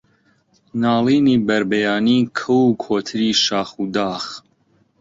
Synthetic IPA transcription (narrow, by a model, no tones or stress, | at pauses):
naːliːniːbɐɾbɛjaːniːkʰɐwukʰoːt̪ʰɨɾiːʃaːxud̪aːx